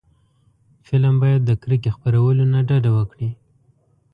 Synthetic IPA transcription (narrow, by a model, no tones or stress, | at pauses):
fɪlmbɑjad̪ːəkɾəkexpaɾawəlonaɖɑɖawəkɽi